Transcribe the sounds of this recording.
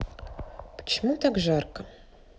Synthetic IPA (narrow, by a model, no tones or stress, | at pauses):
pʰə̥t͡ʃʰɪmut̪ʰakʒarkɐ